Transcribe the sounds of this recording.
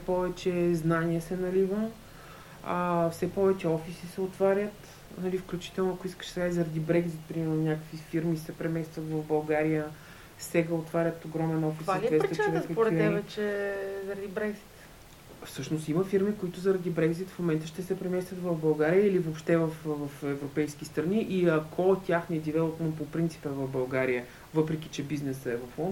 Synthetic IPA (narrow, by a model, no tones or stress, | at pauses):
sɛpɔvɛt͡ʃɛznaniɛsɛnɐlivəm | afsɛpɔvɛt͡ʃɛɔfisisɛot̪vaɾʲjət̪ | nɐlifklʲut͡ʃi̥t̪ɛlˠnʊɐkʊiskə̥ʃskaizɐɾɐd̪ibɾɛɡzit̪̚pɾimɛɾnonʲakəkvifiɾmisɛpɾɛmɛst̪vət̪vɐvbɐlˠɡaɾijə | sɛɡəot̪vaɾʲət̪oɡɾɔmɛnɔfisaliɛɾɛsɾiɛɾɛk̪kkpoɾɛtiɛvɛt͡ʃɛzɐɾɐd̪ibɾɛɡzi̥t̪ | fsɤʃnost̪iməfiɾmikoit̪ʊzɐɾɐd̪ibɾɛɡzit̪fmomɛnt̪əʃt̪ɛsɛpɾɛmɛst̪vʲət̪vɐvbɐlˠɡaɾijəilivopʃt̪ɛvɐfvɐfɛvɾopɛjsk̟ist̪ɾɐniʔiɐkʰɔt̪ʲaxnɛd̪ivɛlˠot̪nənpopɾint̪si̥pɛvɐvbɐlˠɡaɾijə | vɤpɾɛk̟it͡ʃɛbiznɛsəɛvɐfɔn